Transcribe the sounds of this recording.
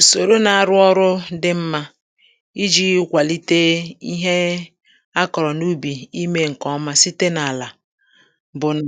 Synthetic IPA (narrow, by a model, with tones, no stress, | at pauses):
o˨so˨ɾo˦na˨a˨ɾʊ˦ɔ˦ɾʊ˦dɪ˦m̩˦ma˦ | i˦d͡ʒi˦kʷa˨li˦te˦i˦ɦe˦ | a˦kɔ˨ɾɔ˨nu˦bi˨i˦me˦ŋ̩˨kɔ˦ma˦si˦te˦na˨la˨ | bʊ˨n˦